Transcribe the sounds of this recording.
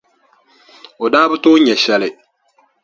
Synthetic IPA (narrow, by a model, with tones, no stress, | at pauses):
o˨daː˦bɨ˦toː˦ɲɛ˨ʃɛ˦lɪ˨